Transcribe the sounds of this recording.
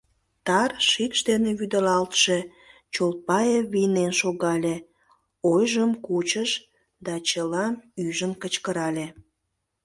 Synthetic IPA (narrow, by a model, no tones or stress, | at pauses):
t̪ɑrʃikʃd̪eneβyd̪əlɑlt̪ʃe | t͡ɕolpɑjeβijnenʃoɣɑlʲe | ojʒəmkut͡ɕəʃ | d̪ɑt͡ɕəlɑmyʒənkət͡ɕkəɾɑlʲe